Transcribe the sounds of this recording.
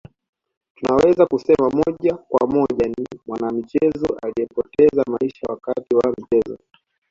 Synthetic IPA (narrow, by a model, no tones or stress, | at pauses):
tunawɛzakusɛmamɔʄakwa̰mɔʄanimwanamit͡ʃɛzɔʔalijɛpɔtɛzamaiʃawakatiwam̩t͡ʃɛzɔ̰